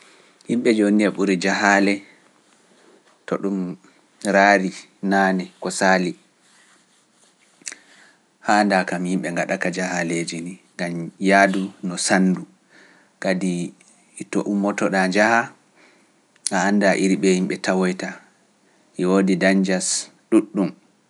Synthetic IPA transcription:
himɓɛd͡ʒoniaɓuɾid͡ʒaɦalɛ | tɔɗum | ɾaːɾi | naːnɛkɔsaːli | haːndakamhimɓɛŋɡaɗakad͡ʒahaled͡ʒiniŋɡamjaːdunɔsandu | ɡadi | tɔʔumːɔtɔɗad͡ʒaha | ʔaːndaʔiɾiɓɛhimɓɛtawɔjta | ʔiwodidand͡ʒas | ɗuɗːum

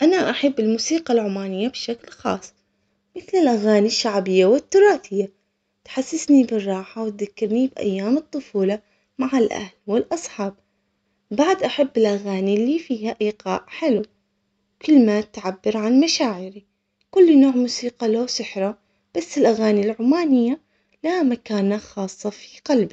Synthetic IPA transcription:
ʔanaʔaħabːɪlmuːsiːqalʕʊmaːnɪjːabʃaklxɑ̰ːsˤː | mɪθlɪlʔaɣaːniʃːaʕbɪjːawɪt̪ːʊɾˤɑːθɪjːa | t̪ħasːɪsnibɨrˤːɑːħawɪt̪̚ðakːɪɾnibʔa̰jːaːmɨt̪ˤːʊfuːlɑ | maʕalʔa̰hlwɪlʔɑsˤħɑːb̚ | baʕd̪ʔaħabːɪlʔaɣaːnilːifiːhaʔiːqɑ̰ːʔħɪlu | kɪlːmat̪ʕabːɪɾʕanmaʃaːʕɪɾi | kʊlːnoːʕmuːsiːqɑlowsɪħɾˤa | b̥asːɪlʔaɣaːnilʕʊmaːnɪjːa | lamakaːnaxɑːsˤːɑfi̥qalbi

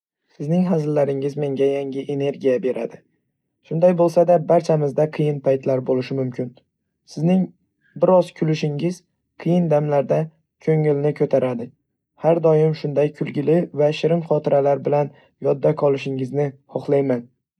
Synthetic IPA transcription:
sɪznɪŋɦazɪlːaɾɪŋɪzme̞ŋɡʲajaŋɡʲɪʔene̞ɾɡʲijabe̞ɾa̰d̪ɪ | ʃʊnd̪ajbolˠsad̪abaɾt͡ʃʰamɪzd̪aqʰɨjɪnpʰajt̪laɾbolɪʃɪmʊmkʲʰɪn | sɪznɪŋ | bɪɾɒzkʲʰʊlɪʃɪŋɪz̥ | qʰɨjɪnd̪amlaɾd̪a | kʲʰɵŋɪlnɪkʰɵt̪ʰaɾʔad̪ɪ | haɾd̪ɒjɪmʃʊnd̪ajkʰʊlˠɡʲɪlɪvaʃɪɾɪmχɒt̪ʰɪɾʔalaɾbɪlan | jɒd̪ːakʰɒlˠɪʃɪŋɪznɪhɒχlˠajman

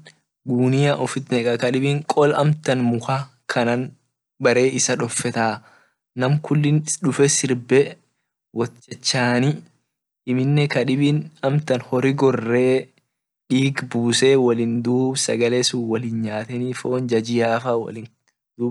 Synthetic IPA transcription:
ɡuːnɪjaʔɔfɪt̪nɛkʼɐkɐᶑɪbɪŋkʼɔlɐ̰mt̪ɐnmʊxa | kʰɐnɐn | bɐɾe̞ːʔɪsɐᶑɔfːɛt̪aː | nɐmkʊlːɪnᶑʊfɛsɪɾbɛ | wʔɔt͡ʃːɛt͡ʃːaːni | ʔːmɪnːɛkɐᶑɪbɪnɐmt̪ɐnhɔɾɪɡɔrːeː | ᶑiːɡbuːseːwɐlɪnd̪uːbsɐɡɐlesuwɐlɪnɲaːt̪ɛniːfo̞ːnd͡ʒɐd͡ʒɪjaːfaːwɐ̰lɪn | d̪uːb

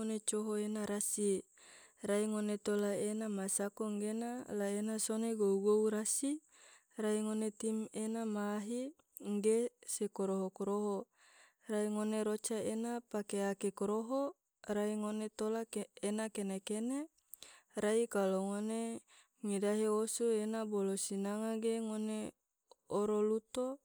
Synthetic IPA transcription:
onet͡ʃoɦoenaɾasi | raiŋonet̪olaenamasakoŋɡenalaenasoneɡouɡouɾasi | raiŋonet̪imenamaːɦi | ŋɡesekoɾoɦokoɾoɦo | raiŋoneɾot͡ʃaenapakeakekoɾoɦo | raiŋonet̪olaenakenekene | ɾaikaloŋone | ŋidaɦeosuenabolosinaŋaɡeŋone | oɾolut̪o

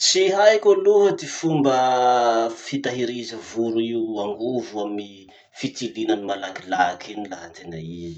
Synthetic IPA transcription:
t͡siɦajkʲoluɦəd̪efumbə | fit̪aɦiɾizəvuɾuiwaŋɡuvuami | fit͡silinanimalaɡilakʰinilaɦət̪ena̰izi̥

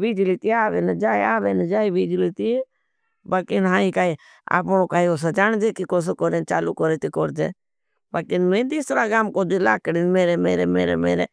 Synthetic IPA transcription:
ʋiːd͡ʒliːt̪iaːʋeːnəd͡ʒaːiaːʋeːnəd͡ʒaːiʋiːd͡ʒliːt̪iːe | baːkɪnɦaːikaːi | a̰ːpɳoːkaːioːs̬ed͡ʒaːɳd͡ʒeːkikoːs̬ekoːɾeːnt͡ʃaːlukoɾeːt̪ikoːɾd͡ʒḛː | baːkɪnmẽːt̪iːsɾaːɡaːmkoːd͡ʒila̰ːkɽiːnmeːɾeːmeːɾeːmḛːɾḛmḛːɾḛː

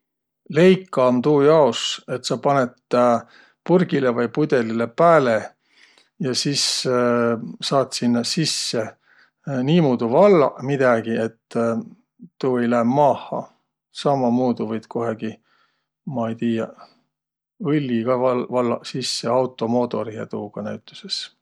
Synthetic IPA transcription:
le̞jkːˑɑnt̪uːjɑouse̞t̪ːsɑpɑnet̪ | purɡ̥ilevɑjpud̪̥e̞lilepæːle | jɑsis | sɑːt̪sinːsisːe̞ | niːmuːd̪̥uvɑlːɑ̰mid̪̥ɑɡ̥ie̞t̪ː | uːejlæemmɑːhːˑɑ̰ | sɑmːɑmuːd̪uvɤjd̪̥ko̞ɦeɡ̥i | mɑejt̪iːjɑ | ɤlʲːiɡ̥ɑvɑlvɑlːɑsisːe̞ɑwt̪ːˑo̞mo̞ːt̪o̞ɾiet̪uːɡ̥ɑnæɥt̪ːˑu̥se̞s

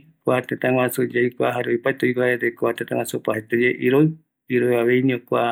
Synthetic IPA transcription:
kat̪et̪ãwasud͡ʒajkʷaɦaɾeojpaet̪oikaeɾekoat̪et̪ãw̃asupaet̪ed͡ʒeʔiɾoj | iɾojaβejɲĩõkʷa

